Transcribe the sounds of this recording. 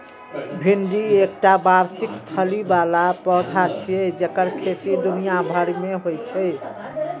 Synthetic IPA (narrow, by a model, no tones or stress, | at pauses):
bʱinɖiek̚ʈabaɾsikt̪ʰəlibalapəd̪ʱat͡ʃʰijɛd͡ʒekəɾkʰet̪id̪unijabʱəɾmeɦojt͡ʃʰəj